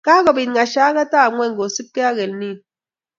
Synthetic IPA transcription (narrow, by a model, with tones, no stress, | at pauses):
ka˦ɣɔ˨bi˨n˨ŋa˨ʃa˨˦ɣa˦ta˦˨ŋwɛ˦˨ŋ˨ɡo˨si˦p̚ke˦a˦ɣe˨lni˦˨n